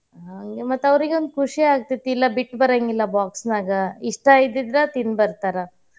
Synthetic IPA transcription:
ɦɐŋɡemɐt̪ːɐʋɾiɡeond̪ukʰuʂiaːɡ̚t̪it̪ilːɐbiʈːbɐɾeŋɡilːɐbaːksnaːɡɐiʂʈɐid̪id̪ɾɐt̪inbɐɾt̪aːɾɐ

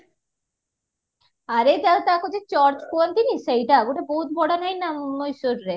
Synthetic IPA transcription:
aɾed͡ʑ̪alt̪akod͡ʑet͡ɕɔɾd͡ʑkuant̪inisejʈaɡoʈaboɦut̪̚bʱɔɽanɦajnamojsoɾɾe

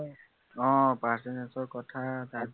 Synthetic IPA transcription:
ɔ̃pasɛnɛnsɔɹkɔtʰata

